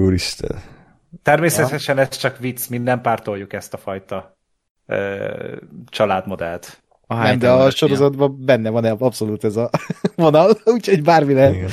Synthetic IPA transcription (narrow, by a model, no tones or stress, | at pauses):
oːɾiʃt̪ɛ̰l | t̪ɛrmeːsɛt̪ɛʃɛnɛst͡ʃɒkʋit̪smind̪ːɛmpaːrt̪o̞jːukɛst̪ɒfɒjt̪ɒ | ø̰ː | t͡ʃɒlaːd̪mo̞d̪ɛ̰lt̪ | ɒɦanɛmd̪ɛɒʃo̞ɾo̞zɒd̪bɒbɛnːɛvɒnɛɒpso̞luːt̪ɛzɒvo̞nɒluːcho̞ɟbaːrmilɛ